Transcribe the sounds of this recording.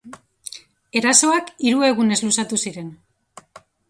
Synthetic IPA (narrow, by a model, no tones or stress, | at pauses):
e̞ɾaso̞akiɾue̞ɣune̞zlusat̪usiɾe̞n